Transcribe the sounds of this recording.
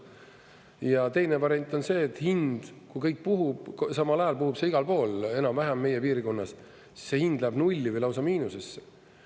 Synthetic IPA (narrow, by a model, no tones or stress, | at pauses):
jɑt̪e̞jnevɑɾe̞nʲt̪ːˑo̞nse̞ːt̪ːhind̪̥kujkɤjk̚ːpuɦub̥sɑmɑlɑjɑlpuhub̥seiɡ̥ɑlpo̞ːle̞nɑmvæɦæmːe̞jepiːɾiko̞nːɑs | si̥sːe̞hind̪̥læb̥nulʲːivɯjlɑwsɑmiːnusesːe̥